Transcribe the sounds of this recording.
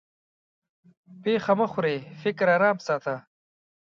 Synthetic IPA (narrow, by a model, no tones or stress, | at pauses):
peːxɐmɐxʊɾeːfɪkɾaːɾaːmsaːt̪a